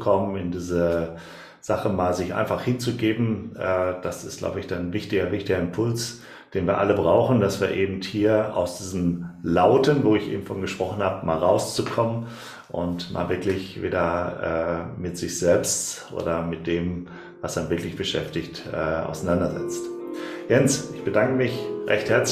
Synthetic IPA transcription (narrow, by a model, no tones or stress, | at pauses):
kʰɔmənɪndiːzə | z̥aχəmaːlzɪçʔa̰ɪnfaχhɪnt͡suɡeːbm̩ʔɛːd̥asɪst̚ɡ̥la̰ʊbəɪçd̥anvɪçtɪɡɐvɪçtɪɡɐɪnpʰʊls | d̥eːnviːɐʔaləbʁaʊχn̩dasv̥iːɐʔeːbm̩thiːɐa̰ʊsd̥iːzn̩laʊtənvoːɪçʔḛːbm̩fɔnɡəʃpʁ̥ɔχn̩haːbəma̰ːlʁaʊst͡sukʰɔmən | ʔʊ̰ntma̰ːlvɪɐklɪçvḛːdɐʔɛ̰ːmɪtz̥ɪçz̥ɛlpstʔo̰ːdɐmɪt̚d̥eːm | vasd̥anvɪɐklɪçb̥əʃɛ̰ftɪçtʔɛ̰ːʔa̰ʊsanandɐzɛ̰t͡stjɛnsʔɪçb̥ədaŋkəmɪçʁɛçthɛɐt͡s